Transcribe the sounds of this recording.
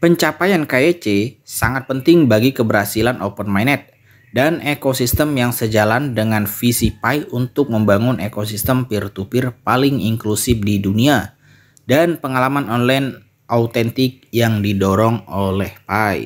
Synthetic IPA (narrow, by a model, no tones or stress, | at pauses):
pəɲt͡ʃapajankaet͡ʃesa̰ŋat̪̚pənt̪ɪŋbaɡikəbəɾhasilanʔopənmajnɛt̪̚ | danekosist̪əmjaŋsəd͡ʒalandəŋanfisipajunt̪ʊk̚məmbaŋʊnʔekos̬ist̪əmpirt̪upɪrpalɪŋiŋklusɪfdidunia | danpəŋalamanɔnlajn | ʔaut̪ɛnt̪ɪk̚jaŋdidoɾɔŋolɛhpaj̰